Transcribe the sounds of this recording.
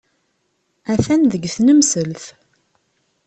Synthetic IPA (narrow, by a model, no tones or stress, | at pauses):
æθænðəɡθnəmsəlθ